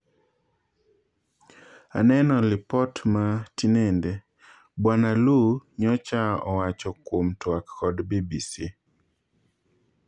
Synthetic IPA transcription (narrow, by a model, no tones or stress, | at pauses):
a̰nɛnɔlɪpɔtmatinende | bwanaluɲɔt͡ʃaɔwat͡ʃɔkwomtwakːɔdbibisi